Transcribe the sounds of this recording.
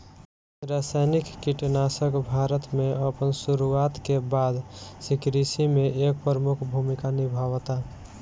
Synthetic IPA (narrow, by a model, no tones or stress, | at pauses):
ɾasajnikːiʈnasəkbʱaɾət̪meəpənsuɾuat̪kebad̪sikɾisimeʔek̚pɾəmukʰbʱumikanibʱaʋt̪a